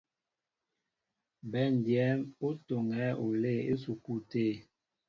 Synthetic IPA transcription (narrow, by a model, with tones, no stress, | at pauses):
bɛ˨˦˨n˨djɛ˨˦mo˦to˨ŋɛ˨˦o˨le˦˨e˦su˨ku˦te˦˨